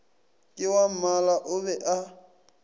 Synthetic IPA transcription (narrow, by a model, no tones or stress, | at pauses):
kʼɪwam̩malaʔʊbɛʔa